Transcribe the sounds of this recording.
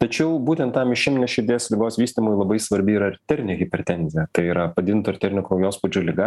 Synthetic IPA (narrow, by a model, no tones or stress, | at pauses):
t̪ɐt͡ʃʲɛʊbuːt̪ʲɛnt̪t̪ɑmɪʃʲɪmʲnʲɛʃʲɪɾʲd̪ʲeːslʲɪɡoːsʋʲiːsʲt̪ʲimoːjlˠɐbɐɪsʋɐɾʲbʲɪiːɾɐɾt̪ʲɛɾʲnʲeɣʲɪpʲɛɾʲt̪ʲɛnʲzʲɪjɛt̪ɐɪiːɾɐpɐd̪ʲɪd̪ʲɪnt̪oɪɾt̪ʲɛɾʲnʲɪkoːjoːspʊd͡ʒʲoːlʲɪɡɐ